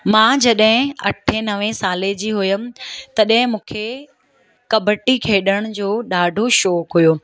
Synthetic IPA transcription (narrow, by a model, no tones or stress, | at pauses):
mãːd͡ʑɐɗɦɪ̃ɐ̰ʈʰenɐʋẽsaːled͡ʑiːɦʊjʊmɪ̆t̪ɐɗɦɪ̃mũːkʰe | kɐbʱəʈikʰeːɗəɽ̃d͡ʑoːɗaːɖʱoʃoːkɦujo